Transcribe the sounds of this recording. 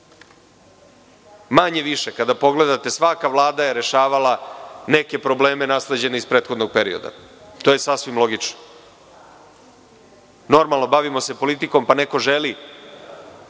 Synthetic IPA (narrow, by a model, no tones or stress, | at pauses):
maɲe̞ʋiʃe̞kad̪apo̞ɡle̞d̪at̪e̞sʋakaʋlˠaːd̪aje̞ɾe̞ʃaːʋalane̞ke̞pɾo̞ble̞ːme̞nasle̞d͡ʑe̞neispɾe̞ːt̪xo̞d̪noɡ̚pe̞ɾḭo̞̰d̪a̰t̪ojesasʋimlo̞ɡit͡ʃno̥ | no̞ɾmalˠno̞baʋimo̞se̞po̞lit̪iko̞mpane̞ko̞ʒeli